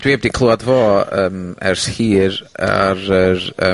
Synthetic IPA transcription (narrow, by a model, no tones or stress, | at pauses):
d̥wiːɛb̚dikʰlˠuadvoːəːmɛ̰rshiːɾa̰ɾəɾəː